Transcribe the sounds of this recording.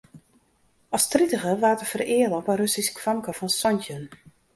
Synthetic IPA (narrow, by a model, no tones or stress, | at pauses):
ɔstritəɣəʋaːtəfərɪəlopənrøsiskʰʋamkəfɔnsɔntən